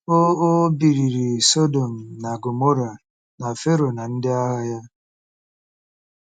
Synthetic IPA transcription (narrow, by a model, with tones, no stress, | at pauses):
o˦o˦bi˨ɾi˨ɾi˨so˦do˨m̩˨na˨ɡo˨mo˦ɾa˨ | na˨fe˦ɾo˨na˨n̩˦dɪ˦a˦ɦa˦ja˦